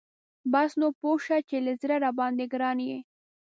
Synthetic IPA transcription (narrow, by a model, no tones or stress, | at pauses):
basnopoʃat͡ʃeləzɾaɾabɑnd̪eɡɾɑnje